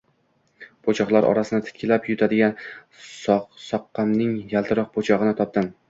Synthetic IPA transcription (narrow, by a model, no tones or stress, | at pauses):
pʰot͡ʃʰɒχlˠaɾʔɒ̰ɾasɪnɪt̪ʰɪ̥t̪ʲkʰʲɪlapjʊt̪ʰad̪ɪɡʲa | ssɒqːɑmnɪŋjalˠt̪ʰɨɾɑq̚pʰot͡ʃʰɒʁɨnɪt̪ʰɒp̚d̪ɪm